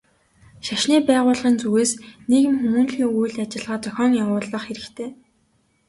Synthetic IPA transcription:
ʃaʃniːpæːʁʊːɮʁiːnt͡suɣeːsneɣɘ̆mxumuːnɮiːŋujɮat͡ɕɪ̆ɮʁaːt͡sœxʲɔːŋjawʊːɮə̆χxeɾɘ̆kt̪ʰeː

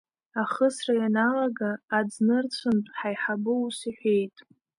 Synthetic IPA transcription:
aχəsrajanalaɡaːd͡znɨrt͡sʷʰɨntʼħajħabɨusiħʷe̞jtʼ

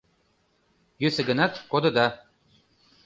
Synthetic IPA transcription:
jøsɘ̆ɡɤ̆nɑt̪kod̪ɤ̆d̪ɑ

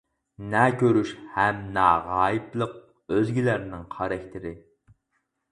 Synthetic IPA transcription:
nɛkʲʰøɾyʃhɛmnɑːʁɑːjiplˠəq̚ | øzɡʲilæɾnɪŋqʰɑɾɛkʲt̪ʰɪɾɪ

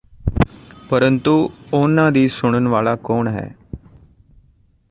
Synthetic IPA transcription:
pəɾənt̪uoːnːad̪iːsʊɽ̃ənʋaːɭakoːɳɦɛ̰ː

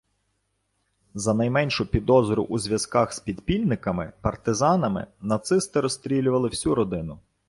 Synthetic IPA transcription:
zɐnɐjmɛnʲʃʊpʲid̪ɔzɔɾʊʔuzʲʋʲjɐskɑxspʲid̪pʲilʲnɪkɐmɪpɐrt̪ɪzɑnɐmɪ̰nɐt̪sɪst̪ɪɾɔst̪ɾʲilʲʊʋɐlˠɪwsʲuɾɔd̪ɪnʊ

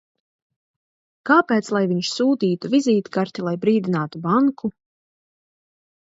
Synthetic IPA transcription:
kaːpɛːt̪slˠajviɲʃsuːt̪iːt̪uvizʲiːt̪kaɾt̪ilˠajbɾiːd̪inaːt̪ubaŋkʰu

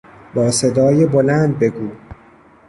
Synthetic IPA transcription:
bɒːsed̪ɒːjebo̞læːnd̪̚be̞ɡuː

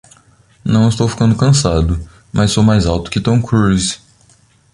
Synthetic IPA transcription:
nɐ̃w̃ɪst̪owfi̥kɐ̃nd̪ʊkɐ̃sad̪ʊ | mʔɐzɪsowmajzawt̪ʊ̥kɪt̪õkɾuz

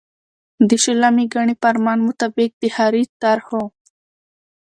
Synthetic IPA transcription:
d̪iʃilamiɡaɳipɐɾmaːnmut̪abik̚d̪ihaɾit̪aɾho

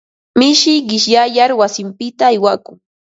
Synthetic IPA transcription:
mɪʃɪɢɪʃjajaɾwasɪmpɪt̪aːjwakʊŋ

